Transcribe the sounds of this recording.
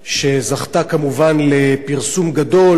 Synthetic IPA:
ʃe̞zaχt̪akamuvanle̞piʁsumɡado̞l

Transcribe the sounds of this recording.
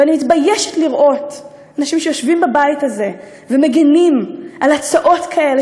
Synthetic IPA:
animitbajeʃetliʁʔo̞t | anaʃimʃejo̞ʃvimbabajitaze̞ | veme̞ɡinimʔalat͡saʔo̞tkʰaʔe̞le

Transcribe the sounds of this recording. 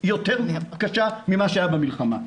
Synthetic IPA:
jo̞t̪eʁmiaakaʃamimaʃeajabamilχama̰

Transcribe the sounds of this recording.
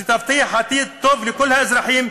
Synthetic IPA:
t̪ɑft̪ˤijħat̪iːt̪ˤːoːblekolːhæʔɪzɾˤɑħiːm

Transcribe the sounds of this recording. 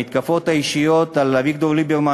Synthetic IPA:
it̪kafot̪aiʃijot̪alavik̚d̪ovlibeʁma

